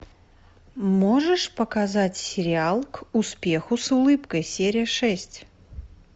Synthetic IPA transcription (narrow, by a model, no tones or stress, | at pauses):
moʐəʂpəkazatʲsʲɪɾʲɪalˠkʊspʲe̞xʊsʊlˠɨpkəjsʲeɾʲɪjəʂɛsʲtʲ